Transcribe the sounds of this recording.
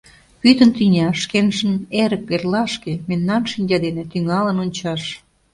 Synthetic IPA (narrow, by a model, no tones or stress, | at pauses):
pyt̪ə̆nt̪inʲɑʃkenʃə̆neɾə̆k̚perlɑʃkememnɑnʃinʲd͡ʑɑd̪enĕt̪yŋɑlənonʲt͡ɕɑʃ